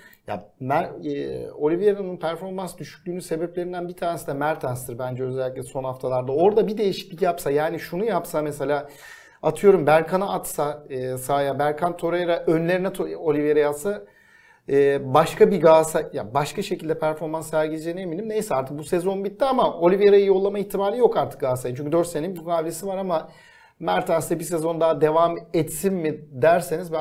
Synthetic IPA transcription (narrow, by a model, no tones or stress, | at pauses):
ja̰mæɾ | o̞lʲivjeɾanɯnpʰæɾfo̞ɾmansd̪yʃy̥c̚ʲlʲyːnynse̞beplʲe̞ɾind̪ænbit̪ʰaːɾnesid̪ɛmæɾt̪ʰænst̪ʰiɾbænd͡ʒɛøzælʲːiclʲɛso̞nhaft̪ʰalˠaɾd̪ao̞ɾd̪abid̪e̞jiʃi̥c̚bicjapsajaːniʃunujapsamese̞lʲaː | at̪ʰɯjo̞ɾumbæɾkʰanaat̪saɯːsaːjabæɾkʰant̪ʰo̞ɾejɾaʔø̞nlʲe̞ɾinɛt̪ʰolʲivjeɾejat̪sa | ɯːbaʃkʰabiɡaːsaja̰baʃkaʃecilʲd̪ɛpʰæɾfo̞ɾmansːæɾɟilʲd͡ʒienemilʲimne̞jsɛaɾt̪ʰɯkbuse̞zo̞nbit̪ːiamao̞lʲivjeɾajijo̞lˠːamaiçt̪ʰimaːlʲijo̞kaɾt̪ʰɯ̥k̚ɡaːsajɯnt͡ʃyɲʲcʰʲd̪øɾt̪seninbukaːblʲe̞sivaɾama | mæɾt̪ʰansd̪ɛbis̬e̞zo̞nd̪aːd̪e̞vamɛt̪sinmid̪æɾse̞nizb